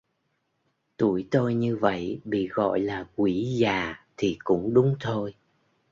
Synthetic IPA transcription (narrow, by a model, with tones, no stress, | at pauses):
t̪u˧˩əjt̪o˧jɲɨ˧və̰˧˨jɓḭ˧˨ɣɔ̰˧˨jlaː˨˩kwi˧˩˦zaː˨˩t̪ʰi˨˩kʊ̰˧˥ŋ͡mɗʊ˨˦ŋ͡mt̪ʰo˧j